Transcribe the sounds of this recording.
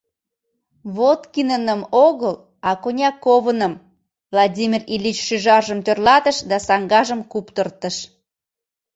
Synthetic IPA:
βot̪kinənəmoɣəl | ɑkonʲɑkoβənəm | vlˠɑdʲimʲirilʲit͡ɕʃyʒɑrʒəmt̪ørlɑt̪əʃd̪ɑsɑŋɡɑʒəmkupt̪ərt̪əʃ

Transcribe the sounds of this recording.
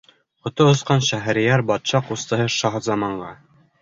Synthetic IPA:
χŏt̪oŏsqɑnɕæɦæ̆ɾijæɾbɑt̪ɕɑqust̪ɤ̆ɦɤʃɑɦɑzɑmɑɴɢɑ

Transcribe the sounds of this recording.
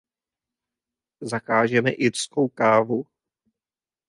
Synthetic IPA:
zakaːʒɛmɛʔɪɾsko̞wkaːvu

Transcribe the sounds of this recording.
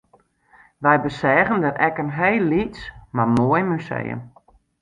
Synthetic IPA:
ʋɛjbəsɛːɣəndərɛkənɦejlːitsmarmoəjmysḛjə̰n

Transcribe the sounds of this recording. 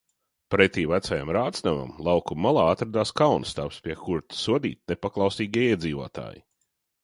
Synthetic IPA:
pɾet̪ʲiːvæt̪saja̰mɾaːt̪snama̰mlˠɑwkumalˠaːat̪ɾad̪aːskawnst̪apspʲiɛkuɾt̪suɔd̪ḭːt̪̚nepaklˠɑwsiːɡʲiɛiɛd̪ziːvuɔːt̪a̰ːjḭ

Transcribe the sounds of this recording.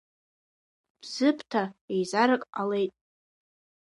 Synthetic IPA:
b̥z̥ɨpʰtʰaejzaɾakʼale̞jtʼ

